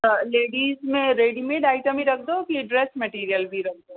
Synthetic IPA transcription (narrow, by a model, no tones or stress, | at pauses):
əleːɖiːzmẽɾeːɖimẽɖaːɪʈəmiɾɐk̚ʰd̪okiɖɾɛːsmɛʈiːɾijəlbʱiɾɐk̚ʰd̪oː